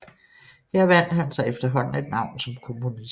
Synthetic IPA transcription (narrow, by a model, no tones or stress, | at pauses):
heɐ̰ʋæn̰d̥hænsɑ̈ɪefd̥ɐɦɒ̽n̰n̩e̝d̥nɑ̈ʊ̰nsɒ̽mkʰo̝munis